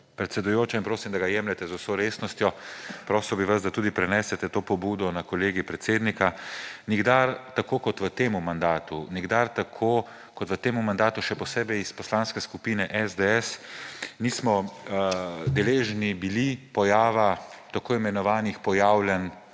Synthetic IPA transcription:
pɾɛt̪sɛd̪ujoːt͡ʃainpɾoːsimd̪aɡajɛmlɛt̪ɛzusoːɾeːsnɔst̪jɔpɾoːsiwɔbiʋazd̪at̪uːd̪ipɾɛnɛːsɛt̪ɛt̪oːpɔbuːd̪ɔnakɔleːɡipɾɛt̪seːd̪nikaniɡd̪aɾt̪akoːkɔt̪ʋət̪eːmumand̪aːt̪uniɡd̪aɾt̪akʰo | kɔt̪ʋət̪eːmumand̪aːt̪uʃɛpɔseːbɛjispɔslaːnskɛskupiːnɛʔɛzd̪eɛsniːsmɔ | d̪ɛleːʒnibilipɔjaːʋat̪akoːimɛnɔʋaːnixpɔjaːwljɛn

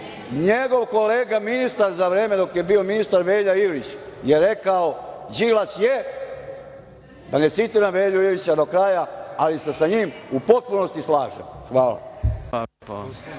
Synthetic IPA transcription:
ɲeɡo̞ʋko̞leːɡaminist̪aɾzaʋɾeːme̞d̪o̞kjebio̞minist̪aɾʋeːʎaiɡɾit͡ɕjeɾe̞kaod͡ʒilasje | d̪ane̞t̪sit̪iɾamʋeːʎuiɾit͡ɕad̪o̞kɾaːjaalisesaɲimupo̞t̪̚puno̞st̪islaːʒḛmxʋaːla̰

